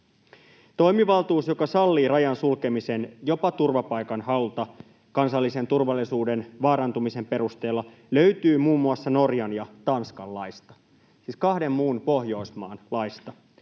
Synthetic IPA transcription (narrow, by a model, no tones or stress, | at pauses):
t̪o̞jmiʋɑlt̪uːsjo̞kɑsɑlːiːrɑjɑnsulke̞misenjo̞pɑt̪urʋɑpɑjkɑnhɑut̪ɑ | kɑnsɑlːise̞nt̪urʋɑlːisuːde̞nʋɑːɾɑnt̪umise̞mpe̞rust̪e̞ːlːɑ | lø̞yt̪yːmuːmːuɑsːɑno̞rjɑnjɑt̪ɑnskɑlːɑjst̪ɑ | siːskɑhde̞mːuːnpo̞hjo̞ismɑːnlɑjst̪ɑ